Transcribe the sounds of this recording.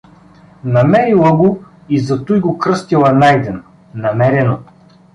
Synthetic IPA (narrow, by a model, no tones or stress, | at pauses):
nɐmɛɾilˠɐɡo | izɐt̪ujɡokɾɤst̪ilˠɐnajd̪ɛn | nɐmɛɾɛno